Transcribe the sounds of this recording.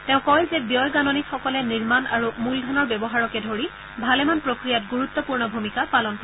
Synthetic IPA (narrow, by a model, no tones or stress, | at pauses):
tɛ̃ʊ̃kɔjzɛbijɔjɡanɔnikxɔkɔlɛniɹmanaɹumuldʱɔnɔɹbɛbɔɦaɹɔkɛdʱoɹi | bʱalɛmanpɹokɹijatɡuɹut̪ːɔpuɹnɔbʱumikapalɔnpɔ